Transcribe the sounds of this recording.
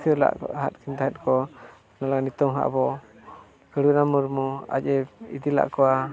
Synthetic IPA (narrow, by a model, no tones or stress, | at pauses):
kʰəla̰ʔɦat̪̚kʰint̪aɦɛt̪̚kɔ | nalaŋnit̪ɔŋɦa̰ʔbɔ | kəɽunamuɾmua̰cɛḭd̪ila̰ʔkɔa